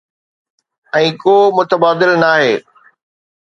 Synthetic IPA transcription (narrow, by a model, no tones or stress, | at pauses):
ɛ̃ːkoːmʊt̪əbaːd̪ɪlnaːɦeː